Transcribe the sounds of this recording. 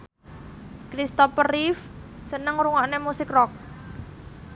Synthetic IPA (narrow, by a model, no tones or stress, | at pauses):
kɾist̪ɔpərifsənəŋɾuŋaʔnemusɪkrɔk̚